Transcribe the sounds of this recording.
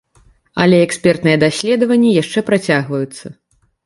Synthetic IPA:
ɐ̰lʲɛɛksʲpʲɛrt̪nɨjɛd̪asʲlʲɛd̪ɐvɐnʲːijaʂt͡ʂɛpɾat͡sʲaɣvɐjut̪sːɐ

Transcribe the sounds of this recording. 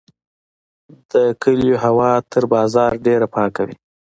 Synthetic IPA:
d̪̥əkəljoɦawɑt̪ʰəɾbɑzɑɾɖeɾapɑkawḭ

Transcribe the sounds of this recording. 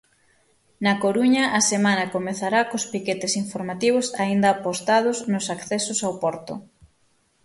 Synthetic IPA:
nɐkoɾuɲɐʔasemanɐkomeθaɾakospiket̪esiɱfoɾmat̪iβʊsaind̪ɐːpost̪að̞ʊznʊsakθesʊsawpɔɾt̪ʊ̰

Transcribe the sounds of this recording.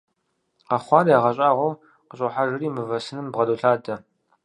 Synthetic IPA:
qɑχʷɑːrjaːʁɐɕʼaːʁʷow | qəɕʼoħaʒɨriːmɨvɐsɨnɨmbʁɐduɬaːdɐ

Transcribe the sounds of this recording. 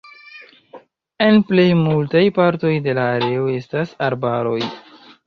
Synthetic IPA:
e̞nple̞jmultajpaɾto̞jde̞laːɾe̞o̞e̞stasaɾbaɾo̞j

